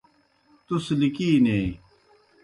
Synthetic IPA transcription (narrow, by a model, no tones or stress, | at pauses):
t̪uslikiːneː